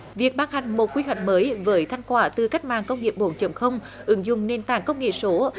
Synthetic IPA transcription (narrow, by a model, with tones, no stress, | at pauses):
vi˨˩ək̚ɓaː˧ŋɦa˨˩jŋ̟mo˨˩t̚kwi˧ɦwa˨˩jk̟̚məː˨˦jvəː˨˦jt̪ʰa˧jŋ̟kwaː˧˩t̪ɨ˨˩ka˦˥jk̟̚ma̰ː˧˨ŋkə˧wŋ͡mŋi˨˩əp̚ɓo˧˩˦nt͡ɕə˨˧˩mxə˧wŋ͡m | ʔɨ˨˦ŋzʊ̰˧˨ŋ͡mne˧˩nt̪a̰ː˧˨ŋkə˧wŋ͡mŋḛ˧˨so˨˦